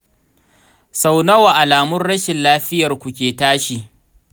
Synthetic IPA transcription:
sa˨wnɐ˦wa˨ʔa˨laː˨mʊ˦nɽɐ˦ʃɪ˨nlaː˦ɸɪ˦jɐ˨rkʷu˨kʲeː˨taː˦ʃi˨

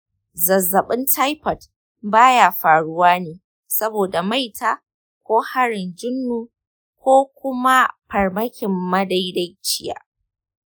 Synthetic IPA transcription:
zɐ˨zːɐ˨ɓɪ˦ntʰa˦jpɐ˨t | baː˦jaː˨ɸaː˨ɽʊ˦waː˦neː˨ | sɐ˦boː˨da˨ma˦˨jtʰaː˦ | kʷoː˦ha˦ɽɪ˨nd͡ʒɪ˦nːuː˨ | kʷoː˦kʷʊ˦ma˦pɐ˨rmɐ˦kʲɪ˨mːɐ˦da˦jda˦jt͡ʃɪ˦ja̰ː˨

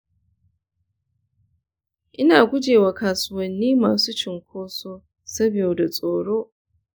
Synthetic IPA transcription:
ʔɪ˦naː˨ɡʷʊ˦d͡ʒeː˨waː˨kaː˨sʊ˦wɐ˨nːiː˦maː˨suː˦t͡ʃɪ˨ŋkʷoː˦soː˦ | sɐ˦bɪ˨joː˨da˨sʼoː˨ɽoː˦

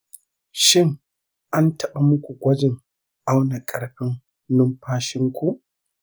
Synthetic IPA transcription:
ʃɪ˦ŋ | ʔa˦ntɐ˨ɓa˨mʊ˦kʷu˨ɡʷɐ˦d͡ʒɪ˨ŋ | ʔa˦wna˨kʼɐ˨ɽɸɪ˦ŋː | ʊ˦mɸaː˦ʃɪ˦ŋkʷu˨ʔ

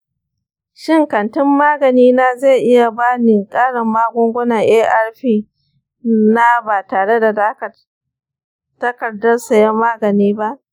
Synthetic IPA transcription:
ʃɪ˦˨ŋkɐ˨ntɪ˦mːaː˦ɡɐ˨niː˦na˦ze˦˨ʔɪ˦ja˨baː˦nɪ˨ŋkʼaː˦ɽɐ˨mːaː˦ɡʷʊ˦ŋɡʷʊ˦na˨ŋʔeː˦ʔɐ˦rɸiː˦ | na˦baː˨taː˨ɽe˦da˨da˦kɐ˨ | tɐ˦kɐ˨rdɐ˦rsa˨jɐ˦maː˦ɡɐ˨niː˦ba˦ʔ

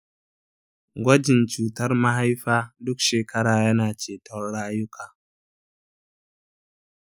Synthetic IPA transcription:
ɡʷɐ˦d͡ʒɪ˨nt͡ʃuː˨tɐ˦rmɐ˦ɦa˦jɸaː˦dʊ˦kʃeː˨kʰɐ˦ɽaː˨jɐ˦naː˨t͡ʃeː˨tɔ˦rɽaː˦jʊ˦kʰaː˨

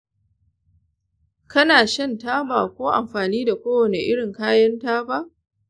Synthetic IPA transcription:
kɐ˦naː˨ʃɐ˦nta˦baː˨kʷoː˦ʔa̰˨mɸaː˨niː˦da˨kʷoː˦wɐ˨ne˨ʔɪ˦ɽɪ˨ŋkaː˦jɐ˦ntaː˦ba˦ʔ

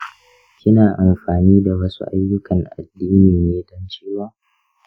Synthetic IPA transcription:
kʲɪ˦naː˨ʔa˨mɸaː˨niː˦da˨wɐ˦sṵ˦ʔa̰˦jːʊ˦kʰɐ˨ŋʔa̰˨dːiː˦niː˨neː˦dɔ˦nt͡ʃeː˦waː˦˨

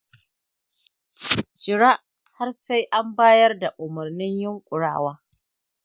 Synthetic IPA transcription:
d͡ʒɪ˨ɽaː˦ʔ | ha˦rsa˦jʔa˦mbaː˦jɐ˦rda˨ʔʊ˨mʊ˨rnɪ˦ɲjɪ˦ŋkʷʼʊ˨ɽa̰ː˦˨waː˦

